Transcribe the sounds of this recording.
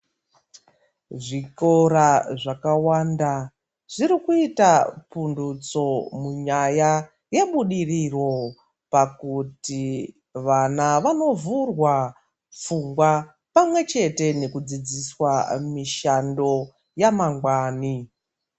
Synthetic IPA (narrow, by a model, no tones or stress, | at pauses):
ʐiko̞ɾaʐakawanda | ʐ̥iɾikuitapundut͡so̞muɲaja | jeɓuɗiriro̞ | pakuti | ʋanaʋano̞vurwa | fuŋɡwa | pamwe̞t͡ʃe̞te̞ne̞kud͡zid͡ziswamiʃando̞ | jamaŋɡwaːni